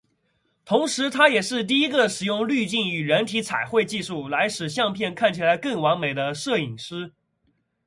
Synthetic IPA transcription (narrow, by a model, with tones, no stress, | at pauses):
t̪ʰʊ˧˥ŋʂɻ̩˧˥t̪ʰa˥jɛ˨˩ʂɻ̩˥˧t̪̬i˥˩i˥ɡə˧ʂɻ̩˨˩jʊ˥˧ŋly˥˧t͡ɕi˥˩ny˨˩ɻə˧˥nt̪ʰi˧˥t͡sʰa˨˩ɪxwe˥˧ɪt͡ɕi˥˧ʂu˥˩la˧˥ɪʂɻ̩˨˩ɕ̬jɑ˥˧ŋpʰjɛ˥˧nkʰa˥˩nt͡ɕʰi˨˩la˧˥ɪkɤ˥˩ŋwɑ˧˥ŋme˨˩ɪd̪ə˦ʂɤ˥˩i˨˩ŋʂɻ̩˥